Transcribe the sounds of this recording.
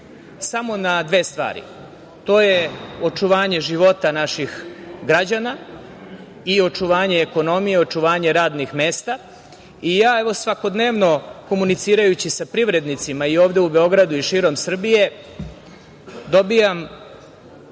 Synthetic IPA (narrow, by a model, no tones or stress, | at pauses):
samo̞nad̪ʋest̪ʋa̰ːɾḭ | t̪o̞ːjeo̞t͡ʂuʋaːɲe̞ʒiʋo̞t̪anaʃixɡɾad͡ʑana | io̞t͡ʃuʋaːɲeːko̞no̞mijeo̞t͡ʂuʋaːɲe̞ɾaːd̪nixme̞ːst̪a | ijaːe̞ʋo̞sʋako̞d̪ne̞ːʋno̞ko̞munit̪siːɾajut͡ɕisapɾiʋɾe̞d̪nit̪simaio̞ːʋd̪e̞ube̞o̞ɡɾad̪uiʃiːɾo̞msr̩bije̞ | d̪o̞bijam